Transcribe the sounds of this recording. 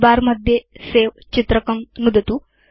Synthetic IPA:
baːɾmɐd̪ʱjeseːʋ | t͡ʃit̪ɾɐkɐmnud̪ɐt̪u

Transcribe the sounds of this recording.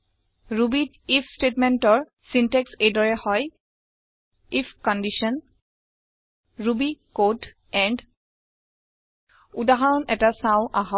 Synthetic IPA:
ɹubid | ipʰstetmɛntɔɹ | sinteksejdɔɹɛhɔj | ipʰkɔndiʃɔn | ɹubikot | ɛnd | udaɦaɹɔnʔɛtasãʊ̃ʔaɦɔ

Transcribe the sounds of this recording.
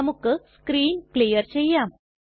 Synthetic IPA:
ɐmukːɨskɾiːnklijɐrt͡ɕejːaːm

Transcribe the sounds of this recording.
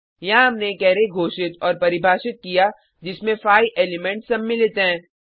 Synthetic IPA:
jɐɦãɦɐmnekɛːɾeɡʱoːʃɪt̪ɔːɾpɐɾɪbʱaːʃɪt̪̚kija | d͡ʒɪsmẽfaːjʔeːlɪmɛ̃ɳʈsɐmmɪlet̪eɦɛ̃ː

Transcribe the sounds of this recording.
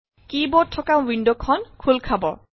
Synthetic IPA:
kibɔtʰːɔkãwindokʰɔnkʰulkʰabɔ

